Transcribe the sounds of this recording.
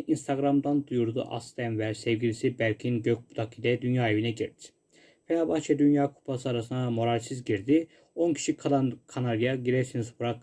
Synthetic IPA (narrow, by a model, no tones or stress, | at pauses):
inst̪ʰaɡɾamd̪and̪ujuɾd̪ṵʔa̰st̪ɛnvæɾsevɡɟilisibælʲcʰiinɟøc̚bud̪ʰakilɛd̪ynjaːevinɛɟiɾd̪i̥ | fɛlaːbaxt͡ʃʰɛd̪ynjaːkʰu̥pʰasɯaɾasɯnd̪amo̞ɾalʲsizɟiɾd̪i | o̞ncʰi̥ʃikʰalˠankʰanaɾijaɟiɾɛɾsinizbuɾak